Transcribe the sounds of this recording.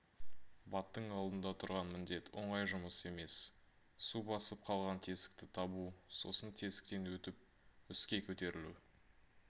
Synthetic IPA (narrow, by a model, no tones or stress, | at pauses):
bɑt̪ːəɴɑlˠd̪ənd̪ɑt̪ʰʊɾʁɑnmɪnd̪e̞t̪wo̞̰ɴɑjʒʊməse̞me̞s | subɑsəp̚qʰɑlˠʁɑnt̪ʰe̞sɪ̥k̚t̪ɪt̪ʰɑbuso̞̰sənt̪ʰe̞sɪ̥k̚t̪enwɵt̪ɪp̚ | ʏskʲe̞kʲʰɵt̪e̞ɾɪlṵ